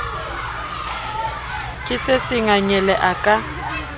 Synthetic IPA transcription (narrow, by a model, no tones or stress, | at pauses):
kʼɪsɪsɪŋaɲɛlɛʔakʼa